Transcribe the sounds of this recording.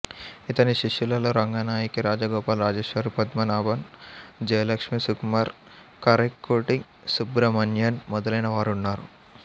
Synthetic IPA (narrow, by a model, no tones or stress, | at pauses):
it̪ɐniʃiʂjulɐloːɾɐŋɡanaːjikiɾaːd͡ʒɐɡɔːpaːlɾaːd͡ʒeːʃʋɐɾipɐd̪mɐnaːbɐnd͡ʒɐjɐlɐkʂmisukmaːɾ | kɐɾɐkːoːʈiŋ | subɾɐmɐnjɐnmɔd̪ɐlɐjnɐʋaːɾunːaːɾu